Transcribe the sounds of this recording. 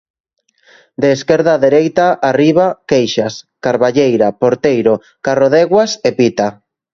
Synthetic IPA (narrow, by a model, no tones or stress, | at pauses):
d̪eːskɛɾðaðeɾejt̪aʔariβ̞akejʃaskaɾβaʎejɾapoɾt̪ejɾo | karoðɛɣwasepit̪a